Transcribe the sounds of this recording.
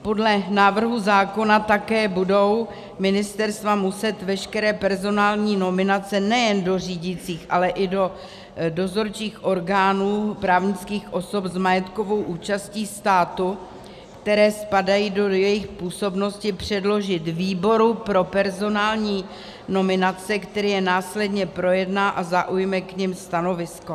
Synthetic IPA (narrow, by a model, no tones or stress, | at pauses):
po̞dlɛnaːvr̩ɦuzaːko̞nat̪akɛːbudo̞w | mɪnɪst̪ɛɾst̪vamusɛt̪vɛʃkɛɾɛːpɛɾzo̞naːlɲiːno̞mɪnat͡sɛnɛjɛndo̞riːɟɪt͡siːxʔalɛʔɪdo̞ | do̞zo̞ɾt͡ʃiːxʔo̞ɾɡaːnuːpɾaːvɲɪt͡skiːxʔo̞so̞pzmajɛt̪ko̞vo̞wʔuːt͡ʃasciːst̪aːt̪u | kt̪ɛɾɛːspadajiːdo̞jɛjɪxpuːso̞bno̞scɪpr̝̥ɛdlo̞ʒɪt̪viːbo̞ɾupɾo̞pɛɾzo̞naːlɲiː | no̞mɪnat͡sɛkt̪ɛɾiːjɛnaːslɛdɲɛpɾo̞jɛdnaːʔazaʔujmɛkɲɛmst̪ano̞vɪsko